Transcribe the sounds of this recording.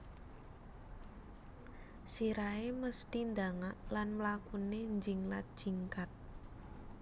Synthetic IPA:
siɾaeməst̪ind̪aŋaʔlanməlakuneɲd͡ʒɪŋlat̪̚d̥ʒ̥i̤ŋkat̪̚

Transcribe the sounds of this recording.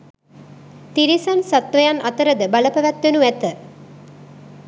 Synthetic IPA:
t̪iɾisansat̪ʋəjanʔɐt̪əɾəd̪əbaləpəʋæt̪ʋenuæt̪ə

